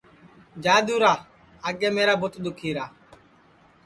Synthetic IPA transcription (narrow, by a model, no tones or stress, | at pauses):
d͡ʒaːd̪uːɾaː | aɡeːmeːɾaːbʊt̪ɗ̪ʊkʰiːɾaː